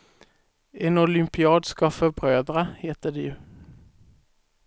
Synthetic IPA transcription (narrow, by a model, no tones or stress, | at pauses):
eːnʊlʏmpɪɑːd̪skɑfœbʁøːd̪ɾəheːt̪əɖɛjʉː